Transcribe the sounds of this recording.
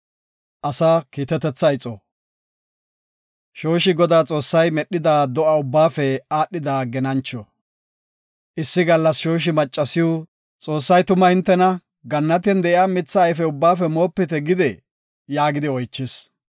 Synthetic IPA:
ʔɐsaːkiːt̪ɛt̪ːɛt͡sːɐjt͡sʼɔ | ʃo̞ːʃɪɡɔd̪aːt͡sʼo̞ːsːɐjmɛɗːɪd̪aːd̪ɔʔɐʊbːaːfɛaːɗːɪd̪aːɡɛnɐnt͡ʃːɔ | ʔɪsːɪɡɐlːɐsʃo̞ːʃ̬ɪmɐt͡ʃʼːɐsɪju | t͡sʼo̞ːsːɐjt̪ʊmɐhɪnt̪ːɛnɐ | ɡɐnːɐt̪̬ɛnd̪ɛʔɪaːmɪt͡sːɐːjfɛʊbːaːfɛmo̞ːpːɪt̪ɛɡɪd̪ɛ | jaːɡɪd̪ɪɔjt͡ʃːɪs

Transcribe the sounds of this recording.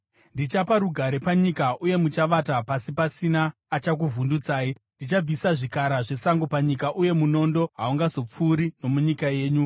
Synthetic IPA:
ndit͡ʃapaɾuɡʱaɾe̞paɲikaʔuje̞mut͡ʃaʋatapasipasinaː | t͡ʃak̬uvundut͡saːi | ndit͡ʃab͡visaʐikaɾaʐe̞saŋɡopaɲikaʔuje̞muno̞ndo̞ɦauŋɡazo̞p͡fuːɾino̞muɲikaje̞ːɲu

